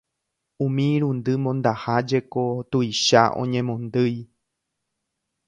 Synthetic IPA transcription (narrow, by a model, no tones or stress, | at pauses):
ũmĩɾũnd̪ɨmõnd̪ahad͡ʒe̞ko̞t̪ujʃaʔõ̞̰ɲẽ̞mõnd̪ɨj